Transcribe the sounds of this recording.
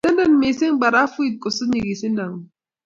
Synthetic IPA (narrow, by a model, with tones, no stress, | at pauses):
a˦nda˦˨n˨me˨se˦ŋ˦ɡ͡ba˨ɾa˦fu˦i˦t̪̚ko˨su˦ɲi˨ɡi˨si˦na˨ŋ˨